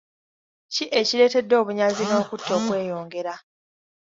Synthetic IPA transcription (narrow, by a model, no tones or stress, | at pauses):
ciʔeciɾe̞ːte̞dːo̞ːβuɲaziŋɡaokutːo̞ːkwe̞ːjo̞ːŋɡe̞ɾa